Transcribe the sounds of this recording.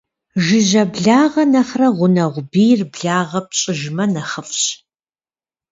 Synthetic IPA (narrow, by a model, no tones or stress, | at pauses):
ʒɪʑɐbɮaːʁɐnɐχrɐʁʷʊnɐʁʷbiːrbɮaːʁɐp̚ɕʼɪʒmɐnɐχəfɕ